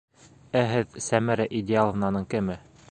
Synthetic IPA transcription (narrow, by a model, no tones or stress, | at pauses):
æɦɘðsæmæɾæʔid̪ʲɪalˠɤ̆vnɑnɤɴkɘ̆mɘ